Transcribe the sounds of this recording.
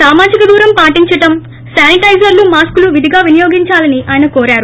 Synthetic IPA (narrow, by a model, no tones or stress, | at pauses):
saːmaːd͡ʒikɐd̪uːɾɐmpaːʈiɲt͡ʃɐʈɐm | saːniʈɐjd͡ʒɐɾlumaːskuluʋid̪ʱiɡaːʋinijoːɡiɲt͡ʃaːlɐniʔaːjɐnɐkɔːɾaːɾu